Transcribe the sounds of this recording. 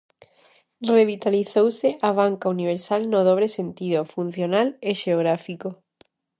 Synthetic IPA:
reβ̞it̪aliθowseʔaβ̞aŋkauniβ̞eɾsalnoðoβ̞ɾesent̪ið̞ofun̟θjonaleʃeoɣ̞ɾafiko

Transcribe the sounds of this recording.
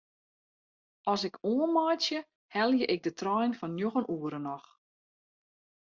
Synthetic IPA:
ʔɔsɪkoənmɔjsjə | hɛlˠjəʔɪk̚dətrɔjnfɔnːjoɣənʔuəɾənɔx

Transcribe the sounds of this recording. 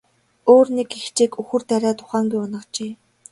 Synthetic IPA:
oːrnekext͡ɕeːkuxɵ̆rt̪æɾʲaːt̪ʰʊ̥χaːŋɡujɔnə̆qt͡ɕeː

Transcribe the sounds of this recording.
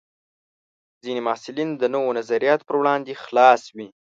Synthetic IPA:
zinemɑsɪlind̪ənowonazaɾijɑt̪pəɾwɽɑnd̪exlɑswi

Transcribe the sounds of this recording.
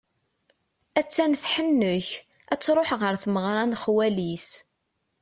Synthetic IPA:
æt͡sːænθħənːʊç | æt͡sːɾˤoħʁəɾθməʁɾˤɑnχwælis

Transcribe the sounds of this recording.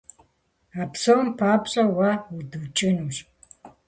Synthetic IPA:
apsowmpʰaːpɕʼɐwaudut͡ʃʼɨnuɕ

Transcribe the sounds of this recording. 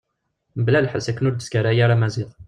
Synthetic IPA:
blælħəsækːənʊɾd̪əskaɾæjaɾamæziðˤ

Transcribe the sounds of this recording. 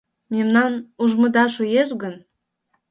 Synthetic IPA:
memnɑnuʒmə̆d̪ɑʃujeʃ̬ɡən

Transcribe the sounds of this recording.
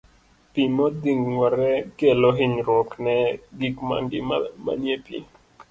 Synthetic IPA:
pimot̪d̪iŋwaɾekeloɦiɲɾokneɡikma̰ŋɡḭmama̰njepḭ

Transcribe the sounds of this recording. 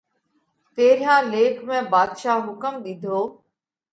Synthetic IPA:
t̪eːɾɪjãːleːkʰmẽːbaːd̪ʃaːɦʊkəmɗ̪ɪd̪ʱoː

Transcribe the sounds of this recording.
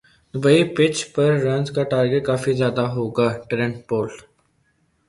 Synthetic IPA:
ʊbəipɪt͡ʃpɐɾːɐnzkaʈaːɾɡeʈ̚kaːfizjaːd̪aɦoːɡaːʈɾẽɳʈ̚poːlʈ

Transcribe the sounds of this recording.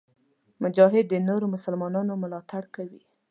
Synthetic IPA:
mʊd͡ʒɑɦɪd̪̚ːənoɾomʊsalmɑnɑnomʊlɑt̪aɽkawi

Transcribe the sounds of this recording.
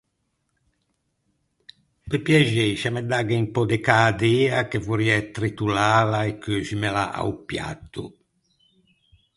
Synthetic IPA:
pepjɛʒeʃamɛd̪aɡeimpɔd̪ekaːd̪eːakevuɾiɛt̪ɾit̪ulaːlaekːøsimela̰ʔa̰upja̰t̪ːṵ

